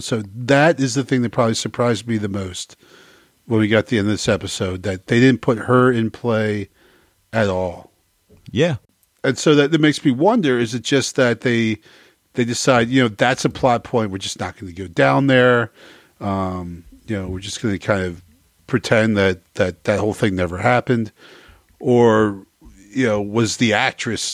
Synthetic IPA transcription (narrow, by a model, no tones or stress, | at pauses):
soʊðɨɾɪzðɨθɪ̃ŋðɨt̚pʰɹ̥ɑbəblisə˞pʰɹ̥aɪzdmiðɨmoʊst̚ | wə̃nwiɡɑt̪̚ðiɛ̃ndɨvðɪsɛpɨsoʊd̪̚ðɨt̪̚ðeɪɾɪdⁿn̩pʰʊt̚hə˞ɪ̃npʰl̥eɪ | ɨɾɔlˠ | jæ | ɨ̃nsoʊðɨɾɨt̚meɪksmiwʌ̃ndə˞ɨzɨt̚d̥ʒ̥ʌsðɨt̪̚ðeɪ | ðeɪdɨsaɪd̚jɨnoʊðætsɨpʰl̥æt̚pʰɔ̃ɪ̃nʔ̚wɨ˞d͡ʒʌsnət̚ɡ̥ʌnɨɡoʊdãʊ̃nðə˞ | ʌ̃mjɨnoʊwɨɹd͡ʒʌsɡ̥ʌnɨkʰãɪ̃ndʌv̥ | pʰɹ̥ɨtʰɛ̃nðɨt̪̚ðɨt̪̚ðɨt̚hoʊlˠθɪ̃ŋnɛvə˞hæpɨ̃nd | ʔə˞ | jɨnoʊwʌzðiæk̚t͡ʃɹ̥ɨs